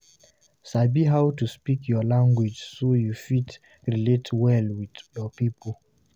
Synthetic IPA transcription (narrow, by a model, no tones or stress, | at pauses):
sabiɦawtuspikʰjɔlãŋɡwid͡ʒsojufit | ɹiletʰwɛlwidjɔpipʰol